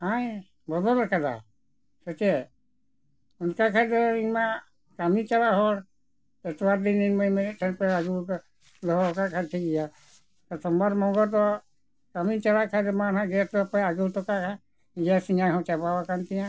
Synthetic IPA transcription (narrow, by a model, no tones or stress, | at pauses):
aj | bɔd̪ɔlakada̰ | sɔt͡ʃɛ | unkakʰadɔima | kamit͡ʃalaɦɔɾ | ɛtwaɾdininmɔjmɛtʰɛnpɛaɡu | lɔɦɔɔkakʰatʰikija | t̪ɔsʰɔmbaɾmɔɡɔt̪̬ɔ | kamit͡ʃalakʰadɔmanãɡɛtɔpaaɡutɔkakʰa | d͡ʒasiɲajɦɔ̃t͡ʃapawakant̪ijã